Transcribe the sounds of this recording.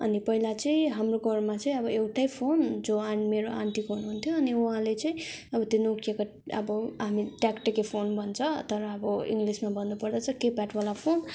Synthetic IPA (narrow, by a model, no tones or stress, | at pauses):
ʌnipʌɦilat͡sʌĩɦamroɡʱʌrmat͡sʌĩʌbʌewʈajpʰond͡zoanmeɾoʔa̰ɳʈ̪ikoɦunuɦunt̪ʰjoʌniuɦãlet͡sʌĩʌbʌt̪jonukʰijeka | ʌ̰bʌɦamiʈakʈʌkepʰonbʱʌnt͡sʰʌt̪ʌɾʌːbʌḭŋɡlismabʌnːupʌrd̪at͡sʰʌkepaʈwalapʰon